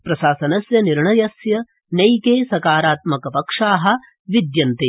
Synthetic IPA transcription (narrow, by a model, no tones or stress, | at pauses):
pɾɐʃaːsɐnɐsjɐniɾɳɐjɐsjɐ | nɐjkeːsɐkaːɾaːt̪mɐkɐpɐkʂaːɦɐ̆ | ʋid̪jɐnt̪e